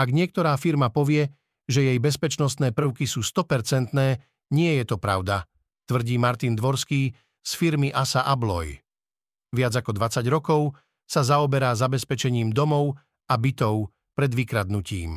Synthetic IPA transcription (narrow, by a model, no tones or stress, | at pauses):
aɡɲɪɛk̚t̪ɔɾaːfiɾmapɔʋɪɛ | ʒɛjɛjbɛspɛt͡ʃnɔst̪nɛːpɾ̩ʊkisuːst̪ɔpɛɾt͡sɛnt̪nɛː | ɲɪɛjɛt̪ɔpɾa̰ʊd̪a | t̪ʋr̩ɟiːmaɾt̪ind̪ʋɔɾskiː | sfiɾmiʔasaʔablɔ̰j | ʋɪad͡zakɔd̪ʋat͡saɟɾɔkɔʊ | sazaɔbɛɾaːzabɛspɛt͡ʃɛɲiːmd̪ɔmɔʊ | abit̪ɔʊ | pɾɛd̪ʋikɾad̪nucḭːm